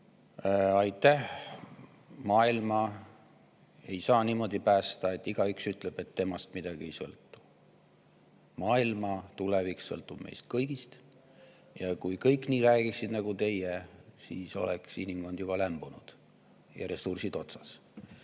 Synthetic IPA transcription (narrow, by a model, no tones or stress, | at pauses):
ɑjt̪ːˑæh | mɑːilmɑ | e̞jsɑːniːmo̞d̪̥ipæːst̪ɑe̞t̪ːˑiɡ̥ɑyksyt̪ˑleb̥e̞t̪ːe̞mɑst̪mid̪̥ɑɡ̥ie̞jsɤ̰lt̪ːˑu̥ | mɑːilmɑt̪uleviksːɤlt̪ːˑub̥mḛjst̪̚kɤjɡ̥ist̪ | jɑkujkɤjkːˑniːɾæːɡ̥iksid̪nɑɡ̥ut̪e̞jesḭːso̞̰lḛksinimɡ̥o̞nd̪̥jubɑlæmb̥unud̪̥ | jɑ̰ɾe̞sursid̪̥o̞t̪sɑ̥s